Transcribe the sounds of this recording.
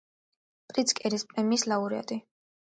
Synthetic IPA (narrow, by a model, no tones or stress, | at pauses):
pʼɾit̪sʰkʼɛɾispʼɾɛmiːslauɾia̰t̪ʼi